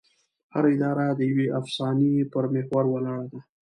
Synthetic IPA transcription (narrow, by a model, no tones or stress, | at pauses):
haɾaɪd̪ɑɾad̪əjaweʔafsɑnipəɾmehwaɾwalɑːɽad̪a